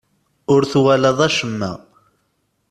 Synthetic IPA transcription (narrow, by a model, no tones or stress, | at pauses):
ʊɾθwælæðˤæʃəmːæ̰